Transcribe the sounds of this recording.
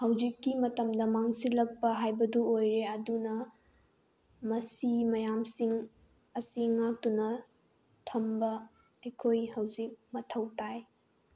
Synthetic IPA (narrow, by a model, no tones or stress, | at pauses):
hɐwd͡ʒikːimɐtɐmdɐmaŋsilɐk̚pɐɦajbɐduojɾeɐdunɐ | mɐsimɐjamsiŋ | ɐsiŋak̚tunɐ | tʰɐmbɐ | ɐjkʰojhɐwzik̚mɐtʰɐwtaj